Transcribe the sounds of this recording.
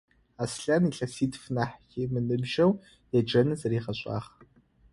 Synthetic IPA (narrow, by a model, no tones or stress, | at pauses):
asɬɐniːɬɐsiːtfnaħximɨnɨmʒɐw | jɛd͡ʒɐnɨzɐriːχɐɕʼa̰ːχ